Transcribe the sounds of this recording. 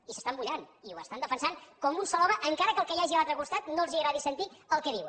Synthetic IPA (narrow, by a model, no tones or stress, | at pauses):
isə̥st̪ambuʎaniuə̰st̪and̪əfənsankɔmunsɔlˠɔməʔəŋkaɾəkəlˠkəjaʒilalt̪ɾəkust̪at̪noəlˠziəɾaðisənt̪iəlˠkəðiw